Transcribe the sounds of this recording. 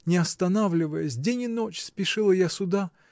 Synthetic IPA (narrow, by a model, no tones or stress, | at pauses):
nʲɪɐst̪ɐnavlʲɪvəjəsʲdʲenʲɪnot͡ɕspʲɪʂɨlˠəjasʊd̪a